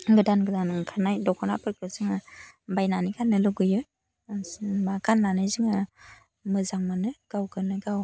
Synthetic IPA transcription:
ɡɯdanɡɯdanɯŋkʰanajdɔkʰɔna̰pʰɯɾkʰɯzɯŋabajnanikanːɯluɡɯjɯ | makanlanɯjzɯŋa | mɯzaŋmanɯɡ̥awɡɯnɯɡaw

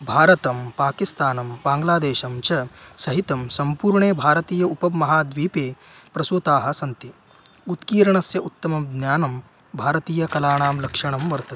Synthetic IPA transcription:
bʱaːɾɐt̪ɐmpaːkist̪aːnɐmbaːŋɡlaːd̪eːʃɐmt͡ʃɐsɐɦit̪ɐmsɐmpuːɾɳeːbʱaːɾɐt̪iːjɐupɐmːɐɦaːd̪ʋiːpeː | pɾɐsoːt̪aːɦɐ̆sɐnt̪i | ut̪kiːɾɐɳɐsjɐʔut̪ːɐmɐd̪njaːnɐm | bʱaːɾɐt̪iːjɐkɐlaːɳaːmlɐkʂɐɳɐmʋɐɾt̪ɐt̪i̥

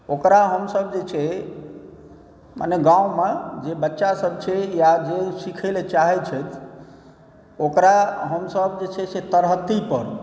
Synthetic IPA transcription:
okɾaɦəmsəbd͡ʒet͡ʃʰe | ma̰neɡãumãd͡ʒebətːʃasəb̚t͡ʃʰejad͡ʒesikʰelet͡ʃaɦɛt͡ʃʰɛt̪ʰ | okɾaɦəmsəbd͡ʒet͡ʃʰeset̪əɾɦət̪ːipəɾ

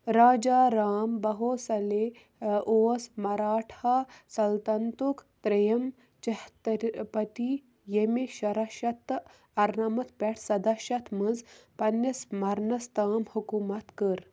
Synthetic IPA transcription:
ɾaːd͡ʒaːɾaːmbɐɦoːsɐle | ʔoːsmɐɾaːʈʰaːsɐlt̪ɐnt̪ukt̪ɾɐjɐm | t͡ʃɐht̪pɐt̪i | jemeʃɐɾaʃɐt̪ː | ɐɾnamɐt̪ʰpʲɛʈʰsɐd̪aʃɐt̪mɐnzpɐnjɐsmɐɾnɐst̪aːmhukumɐt̪kəɾ

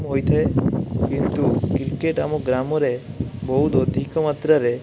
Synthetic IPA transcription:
mɦojt̪ʰaekint̪ukɾikeʈa̰moɡɾamɔɾeboɦut̪od̪ʱikɔmat̪ɾaɾe

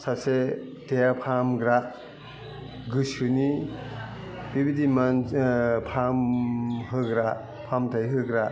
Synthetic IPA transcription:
sase | tejapʰamɡɾaʔ | ɡɯsɯni | bibidimanpʰamɦɯɡɾa | pʰamtʰajɦɯɡɾaʔ

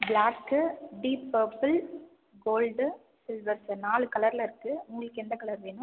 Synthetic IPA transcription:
blaːkːɯɖiːpːɐːɾpɯl | ɡoːlɖ | sɪlʋɐɾsɯnaːɭɯkɐlɐɾɪlɐɪɾɯkːɯʊŋɡɐɭɯkːɯɛnd̪ɐkɐɭɐɾʋeːnɯ

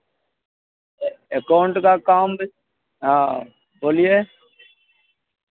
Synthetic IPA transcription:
əkaːʊɳʈkaːkaːmb | ɦãː | boːlijeː

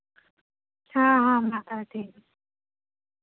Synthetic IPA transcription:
t͡ɕʰaɦãmat̪at̪ʰi

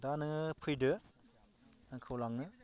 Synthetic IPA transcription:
danɯpʰɯjdɯ | aŋkʰɯwlaŋnɯ

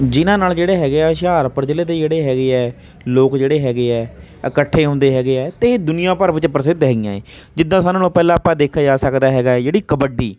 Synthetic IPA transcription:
d͡ʒɪnãːnaːld͡ʒeːɽeːɦɛːɡeːɛːʃaːɾpəɾt͡ʃəleːd̪eːd͡ʒeːɽeːɦɛːɡeːɛː | loːkd͡ʒeːɽeːɦɛːɡeːɛːəkəʈʰːeːɦõːnd̪eːɦɛːɡeːɛːt̪eːd̪ʊnɪjãːpəɾʋɪt͡ʃpɾəsɪd̪ɦɛːɡɪjãːḛː | d͡ʒɪd̪ːãːsaːnõːnũːpɛːlãːpːãːd̪eːkʰːaːd͡ʒaːsəkd̪aːɦɛːɡaːɛːd͡ʒeːɽiːkəbəɖiː

